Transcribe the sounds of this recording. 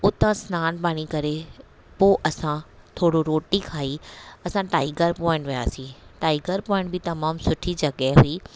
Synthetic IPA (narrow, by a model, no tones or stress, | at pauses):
ʊt̪ãsnaːnbaːɽ̃ikɐɾe | poːʔɐsã | t̪ʰoːɽoɾoːʈikʰaːiɐsãʈaːɪɡəɾpɔ̃ːɪ̃ɳʈʋɐja̰ːsĩʈaːɪɡəɾpɔːɪ̃ɳʈbɪt̪ɐmaːmsʊʈʰid͡ʑɐɠɛɦɦʊiː